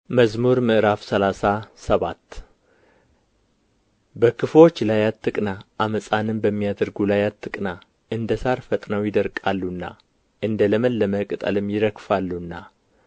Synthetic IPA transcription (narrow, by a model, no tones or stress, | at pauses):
məzmuɾmɨʔɨɾafsəlasasəβat̪ː | bəkʰɨfo̞t͡ʃːlajat̪ʰːɨkʼnaʔaməsʼanɨnbəmːijad̪əɾɡulajat̪ːɨkʼna | ʔɨnd̪əsaɾfət̪ʼnəwjɪd̪əɾkʼalːunːa̰ | ʔɨnd̪ələməlːəməkʼɨt̪ʼə̰lɨmjɪɾəkfalːunːa